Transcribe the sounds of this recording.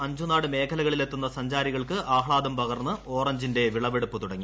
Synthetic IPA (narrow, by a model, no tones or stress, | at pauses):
ɐɲd͡ʑunaːɽɨme̞ːkʰɐlɐɣɐɭilet̪ːunːɐsɐɲd͡ʑaːɾiɣɐɭkɨʔaːhɭaːd̪ɐmpɐɣɐrnːɨʔo̞ːrɐɲd͡ʑinde̞ʋiɭɐʋeɽupːɨt̪uɽɐŋːi